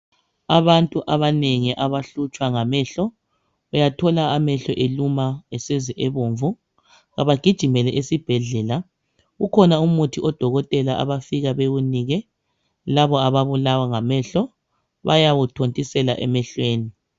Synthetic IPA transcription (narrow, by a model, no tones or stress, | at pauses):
aβantʼuʔaβaneŋiʔaβaɬut͡ʃʼwaŋamɛɬɔ | ujatʰɔlaːmɛɬɔʔelumaɛsɛziʔɛβoːɱvu | ɣa̰βaɡ̥ʱid̥ʒ̥ʱimɛlɛʔesib̥ʱɛɮɛla | ɣukʰɔnaumutʰiɔd̥ʱɔɣɔtʼɛlaʔa̰βafiɣaβeɣuniːɣɛ | laβɔaβaβulawaŋamɛɬɔ | βa̰jawutʰontʼisɛlaʔɛ̰mɛɬweːni